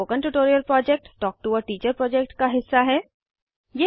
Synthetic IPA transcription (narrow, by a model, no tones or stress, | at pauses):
oːkə̃ɳʈuʈoːɾijəlpɾɔːd͡ʒɛk̚ʈːɔːk̚ʈuɔɾʈiːt͡ʃəɾpɾɔːd͡ʒɛk̚ʈkaɦɪsːaɦɛː | je